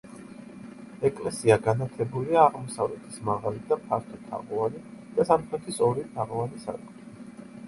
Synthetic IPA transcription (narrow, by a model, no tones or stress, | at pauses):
ɛkʼlɛsiaɡanat̪ʰlɛbuliaːʁmɔsavlɛt̪ʰi̥smaʁalid̪apʰaɾt̪ʰɔt̪ʰa̰ʁɔvanid̪̥asamχʰɾɛt̪ʰisɔɾit̪ʰaʁɔvanisa̰ɾkʼ